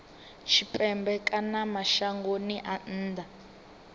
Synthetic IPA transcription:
t͡ʃʰipʼɛmbɛkʼanamaʃaŋɡoniʔan̩ːd̪a

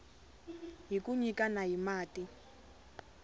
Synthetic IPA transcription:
ɦikuɲikanaɦimaːti

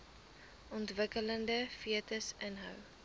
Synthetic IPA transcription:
ʔɔntvəkələndəfiətəsənɦœ̰w

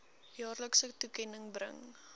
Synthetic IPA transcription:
jɑːrləksətukɛnəŋbrə̰ŋ

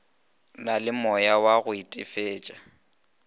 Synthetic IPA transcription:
nalɪmɔjawaɣʊitʼɪfeːt͡ʃʼa

